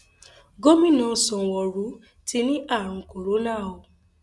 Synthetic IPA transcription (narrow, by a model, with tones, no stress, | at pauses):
ɡo˦mĩ˦nɔ̃˨˦˨sɔ̃˨˧˨wɔ˨ɾu˨˦ | tʰi˧nĩ˦ʔa˦˨ɾ̃ũ˧ko˨ɾo˨˦la˦˨o˧